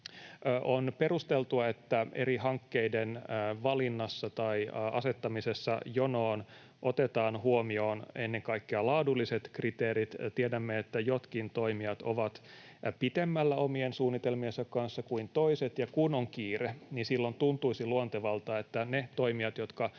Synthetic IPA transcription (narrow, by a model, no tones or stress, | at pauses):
ʔʔonperust̪elt̪uɑet̪ːæʔeɾihɑŋkːeidenʋɑlinːɑsːɑt̪ɑiɑ̰set̪ːɑmisesːɑ̰jonoːn | ʔot̪et̪ɑːnhuomio̞ːnenːeŋkɑikːeɑlɑːdulːiset̪krit̪eːɾit̪t̪iedæmːeet̪ːæjot̪kint̪oimiɑt̪oʋɑt̪ | pit̪emːælːæomiensuːnːit̪elmiensɑkkɑnsːɑkuint̪oiset̪jɑkunoŋkiːreninsilːont̪unt̪uisiluont̪eʋɑlt̪ɑːet̪ːænet̪o̞imiɑt̪jot̪kɑ